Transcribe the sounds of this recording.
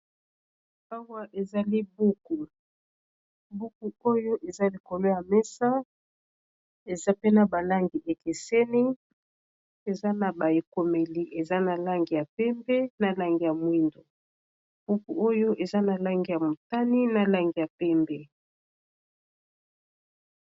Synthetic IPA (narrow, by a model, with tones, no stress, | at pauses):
a˦wa˦ʔe˨za˨li˦bu˦ku˨ | bu˦ku˨o˦jo˦ʔe˨za˦li˨ko˨lo˦ja˨mɛ˦sa˦ | e˨za˦pe˦na˨ba˨la˦ŋɡi˨ʔe˨ke˨se˦ni˦ | e˨za˦na˨ba˨e˨ko˨me˨li˨ʔe˨za˦na˨la˦ŋɡi˨ja˨pɛ˦mbɛ˦na˨la˦ŋɡi˨ja˨mwi˦ndo˨ | b̥u˦ku˨o˦jo˦ʔe˨za˦na˨la˦ŋɡi˨ja˨mo˨ta˦ni˦na˨la˦ŋɡi˨ja˨pɛ˦mbɛ˦